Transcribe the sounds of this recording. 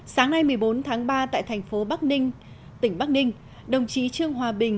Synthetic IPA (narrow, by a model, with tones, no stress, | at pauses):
saː˨˦ŋna˧jmɨ˨˩əjɓo˨˦nt̪ʰaː˨˦ŋɓaː˧t̪a̰ː˧˨jt̪ʰɛ˨˩jŋ̟fo˨˦ɓa˦˥k̚nï˧ŋ̟ | t̪ï˧˩ŋ̟ɓa˦˥k̚nï˧ŋ̟ | ɗə˨˩wŋ͡mt͡ɕi˨˦t͡ɕɨ˧əŋɦwaː˨˩ɓï˨˩ŋ̟